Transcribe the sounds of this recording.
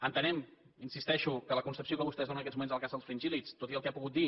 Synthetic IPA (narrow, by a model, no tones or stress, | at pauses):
ənt̪ənɛm | insist̪ɛʃukələkunsəpsiokəβust̪ɛzðonənəkɛzmumenzəlˠkazðəlˠsfɾinʲʒilit͡st̪ot̪iəlˠkɛapuɣut̪̚d̪i